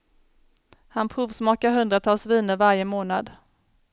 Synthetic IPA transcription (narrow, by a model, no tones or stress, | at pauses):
hanpʰɾuːvsmɑːkaɾɦɵnd̪ɾat̪ʰɑːlsviːnəɾvaɾjəmoːnad̪